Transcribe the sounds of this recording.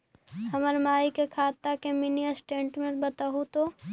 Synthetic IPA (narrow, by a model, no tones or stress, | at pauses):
hɐməɾmaːikekʰaːt̪ːakeminiəsʈẽːɳʈmẽbət̪aɦut̪oː